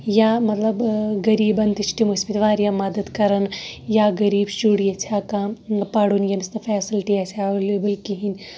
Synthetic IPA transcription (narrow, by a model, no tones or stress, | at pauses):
jamɐt̪lɐbɡɐɾiːbɐnt̪iʃʈimuspit̪ʋaːɾjamɐd̪əd̪kɐɾɐnjaɡɐɾiːbʃuɽijɐt͡sʰaːkapɐɽunjɐmist̪ɐfɛːsɪlʈiɛseʋeleːbɐlkiɦin